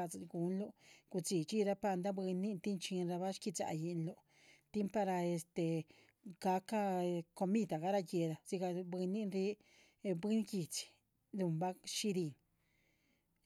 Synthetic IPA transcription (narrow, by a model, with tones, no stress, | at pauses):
a˧t͡sku˨˦nlo˦˧ku˧t͡si˨t͡ʃi˦ɾa˧pa˧nd̪a˦bɨ˧nĩ˦nt̪i˦nt͡ʃĩ˧nɾa˧βa˦ʃki˧t͡sa̰˧ʔji˧ʔnlo˧ | t̪i˦mpa˧ɾa˧e˧st̪e˧ | ka˧˦ka˦˧ko˧mĩ˦t̪a˨ɣa˦ɾa˧ke˧ɾa˧si˧ka˧bɨ˧nĩ˦nɾi˧˦˧ | bɨ˦n˦ki˧t͡si̥˨ | du˧˨mba˦ʃi˦d̪i˧˨n